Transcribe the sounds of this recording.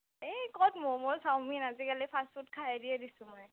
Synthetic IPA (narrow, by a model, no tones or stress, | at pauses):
ekɔtmɔmɔsawminazikalipʰasfut̚kʰaadiɛdisʊ̃mɔj